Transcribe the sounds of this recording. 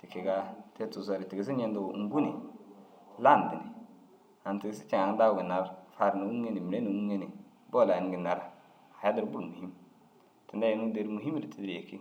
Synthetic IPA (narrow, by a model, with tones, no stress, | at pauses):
ti˨ki˨ɡa˦te˦tu˨s̬o˨˦ɾi˨ti˨ɡi˨s̬i˦ɲe˦ndu˨˦ŋ̩˦ɡu˦ni˨ | la˦˨n˨di˨nḭ˨ | a˨n˨ti˨ɡsi̥˦t͡ʃi˨ŋa˨ŋ˦da˦˨ɡi˨na˨˦ɾfa˨ɾno˨u˦e˦ni˨mi˨ɾe˦nu˨u˦e˦ni˨ | bo˦˨la˨n˨ɡi˨na˨ɾa˦ | a˨ja˦di˦ɾbu˦˨mu˨hi˦m | ti˨nda˦ji˨ni˦de˦ɾmu˨ɦi˦m˦ɾi˨tʰi˦dɾe˨ki˦